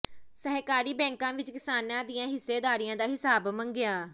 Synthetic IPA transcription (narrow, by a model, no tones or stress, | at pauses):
səɦkaːɾiːbɛ̃ːŋkãːʋɪt͡ʃkɪsaːnãːd̪ijãːɦɪsːeːd̪aːɾijãːd̪aːɦɪsaːbməŋɡɪjaː